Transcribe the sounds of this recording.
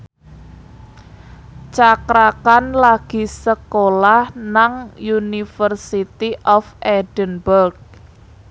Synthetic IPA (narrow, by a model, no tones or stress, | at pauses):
t͡ʃakɾakanlaɡ̥i̤səkolahnaŋjunifərsit̪iʔɔfɛd̥ənbərɡ̚